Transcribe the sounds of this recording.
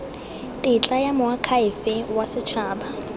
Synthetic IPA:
tʼɪt͡ɬʼajamʊakʰaɪfɪwasɪt͡ʃʰaːba

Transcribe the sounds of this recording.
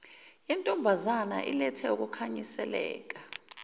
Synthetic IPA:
intʼɔmbʱazana̰ʔḭlɛtʰɛuk̬ukʰaɲisɛlɛ̰ːk̬a

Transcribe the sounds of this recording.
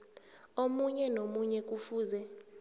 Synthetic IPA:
omuɲɛnomuɲɛk̬ufuːzɛ

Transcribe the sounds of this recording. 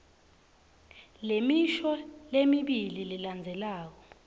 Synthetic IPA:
lemiʃɔlemiɓilililand͡zʱɛlaːk̬ɔ

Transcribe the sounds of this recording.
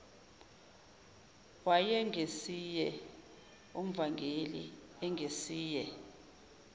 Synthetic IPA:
wajɛŋʱesijɛ | um̩vaŋɡʱelḭ | ɛŋɡʱesiːjɛ

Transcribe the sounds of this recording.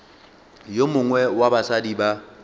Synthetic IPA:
jomʊŋwɛwabasadiba

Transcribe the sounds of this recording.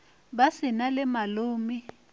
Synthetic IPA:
basɪnalɪmaloːmi

